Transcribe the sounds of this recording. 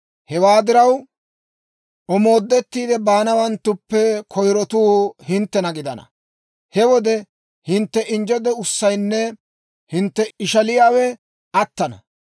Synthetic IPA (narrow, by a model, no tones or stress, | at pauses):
hɛwaːd̪ɪɾɐw | ʔɔmo̞ːd̪ːɛt̪ːiːd̪ɛbaːnɐwɐnt̪ːʊpːɛkʰɔjɾɔt̪uːhɪnt̪ːɛnɐɡɪd̪ɐ̰nɐ̰ | hɛwɔd̪ɛ | hɪnt̪ːɛʔɪnd͡ʒɔd̪ɛʊsːɐjnːɛ | hɪnt̪ːɛɪʃɐlɪjaːwɛ | ɐt̪ːɐnɐ̰